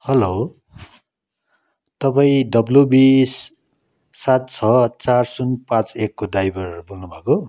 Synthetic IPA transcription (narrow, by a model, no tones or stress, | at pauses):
hʌlo | t̪ʌpaĩdʌblubisː | at̪̚t͡sʰʌt͡sarsunpãt͡sekːodajbʌrbolnubʱʌko